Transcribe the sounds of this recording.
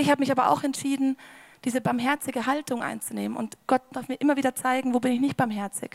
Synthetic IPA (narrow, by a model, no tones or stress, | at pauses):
ɪçhaːbəmɪçaːbɐʔa̰ʊxɛntʃiːdn̩d̥iːzəbaɐmɦɛɐt͡sɪɡəɦaltʊŋʔa̰ɪnt͡suneːmənʊ̰ntɡ̥ɔt̚d̥aɐfmiːɐʔɪmɐviːdɐt͡saɪɡŋ̩voːbɪnɪçnɪçt̚b̥aɐmɦɛɐt͡sɪ̰k